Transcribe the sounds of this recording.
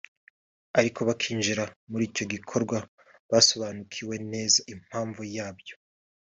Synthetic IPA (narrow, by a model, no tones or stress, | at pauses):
aɾikʰo̞βakʰiːnʒiɾamuɾiːco̞ɡikʰo̞ɾɡwa | βaso̞βaːnukʰiwe̞ne̞ːzaim̥haːɱvujaːbjo